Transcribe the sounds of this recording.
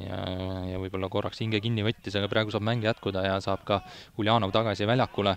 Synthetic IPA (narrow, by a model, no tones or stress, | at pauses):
jɑ̰jɑvɯjb̥o̞lːɑko̞rːɑkshiŋɡekinʲːivɤt̪ʲːiseɡ̥ɑprɑeɡ̥usɑːb̥mæŋɡ̥ejæt̪kud̪ɑjɑsɑːb̥kɑhulʲjɑːnovt̪ɑɡ̥ɑsivælʲjɑkːˑule